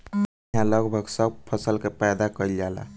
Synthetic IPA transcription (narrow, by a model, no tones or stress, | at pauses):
ɦãləɡbʱəɡsəɡ̚pʰəsəlkepajd̪akəiljala̰